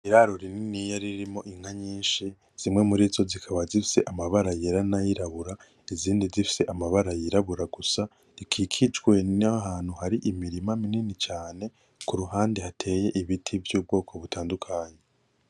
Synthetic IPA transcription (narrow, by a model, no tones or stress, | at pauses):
iɾaɾoɾininijaɾiɾimo̞ʔiŋ̥haɲiːʃi | z̥imŋe̞muɾizo̞zikʰaβazifi̥se̞ʔamaβaɾajeɾanajiɾaβuɾa | iziːndizifi̥se̞ʔamaβaɾajiɾaβuɾaɡ̥usa | ikʰikʰid͡ʒɡwe̞naɦaːn̥huhaɾiʔimiɾimamininit͡ʃaːne̞ | kuɾuɦaːndehatʰe̞ːje̞ʔiβitʰivjuːb̚ɡo̞ːkʰo̞βutʰaːndukʰaːɲe